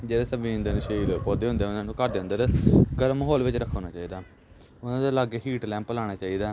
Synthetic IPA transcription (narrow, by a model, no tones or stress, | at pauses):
d͡ʒeːɽaːsəbĩə̃nd̪aːnuʃəiːɾoepɔːd̪eːɦʊnd̪eːʊnãːnũːkəɾd̪eːə̃nd̪əɾɡəɾmɦoːlʋɪt͡ʃɾəkʰːoːnaːt͡ʃaːiːd̪aː | ʊnãːd̪aːlaːɡeːɦiːʈlɛ̃ːmpːəlaːɽ̃aːt͡ʃaːiːd̪aː